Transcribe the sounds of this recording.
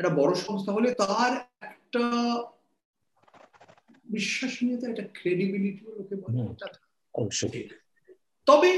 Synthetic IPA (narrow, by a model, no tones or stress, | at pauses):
eʈabɔɽoʃɔmost̪ʰaɦolet̪aɾɛkʈa | biʃːaʃnijet̪aɛk̚ʈakɾeɖibiliʈiolokʰebaʈat̪ | ɔbʃo̰ʈʰi | t̪ɔbe